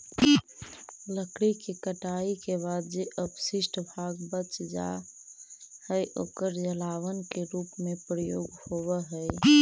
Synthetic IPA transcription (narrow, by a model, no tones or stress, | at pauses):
ləkɽikekəʈaːikeβaːd̪d͡ʒeʔəbsɪʃʈbʱaɡbət͡ʃd͡ʒa̰ | həjʔo̰ːkəɾd͡ʒəlaːwənkeɾuːpmẽpɾəjoːɡhoʋəɦəɪ